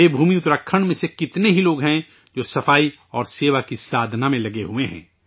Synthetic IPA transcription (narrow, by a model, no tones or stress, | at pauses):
ebʱuːmiʊt̪ɾəkʰːəɽ̃mẽsekɪt̪neɦiloːɡɦɛ̃ | d͡ʒoːsɐfaːi | ɔːɾseːʋakisaːd̪ʱnamẽlɐɡeɦueɦɛ̰̃ː